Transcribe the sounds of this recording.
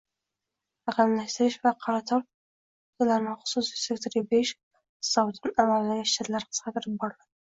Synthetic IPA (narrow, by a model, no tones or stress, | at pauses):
aʁamlaʃt̪ɪɾɪʃvaqʰɑɾɑt̪ʰɒɾ | ʊt̪alaɾnɪχʊ̥sussekt̪ɾibeʃ | sɑwt̪ʰɑnamalːanɪʃt͡ʃat̪laɾqʰə̥sqɑt̪ɪɾɪp̚bɒɾalad̪ɪ